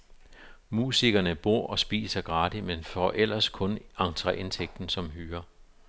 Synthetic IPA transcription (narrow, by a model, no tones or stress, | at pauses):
muːsiɡ̥ɐnəb̥o̝ɐ̰ʔɒ̽sb̥ḭːsɐɡ̥ʁɑ̈ːd̥imenfɒʔel̰ɐskʰɔ̽nɑ̈ŋt͡sʰʁɛʔe̝nt͡sʰeɡ̥̚d̥n̩sɒ̽mɦyːɐ